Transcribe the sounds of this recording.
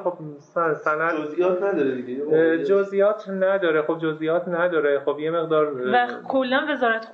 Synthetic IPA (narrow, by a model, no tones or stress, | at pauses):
xob̥ssænæd̪ozijɒːt̪næd̪ɒɾed̪iɡejd͡ʒozʔijɒːt̪ʰnæd̪ɒːɾexob̚d͡ʒozʔijɒːt̪ʰnæd̪ɒːɾexobjeme̞ɣd̪ɒːɾækʰolːænve̞zɒːɾæt̪